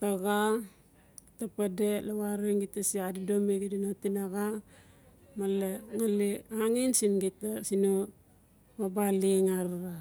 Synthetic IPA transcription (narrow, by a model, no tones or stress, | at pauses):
taɡa | tapadelawaɾiŋɡitasiadidomiɡidinotinaɣa | maleŋaliaŋinsinɡitasino | mabaliŋaɾɾa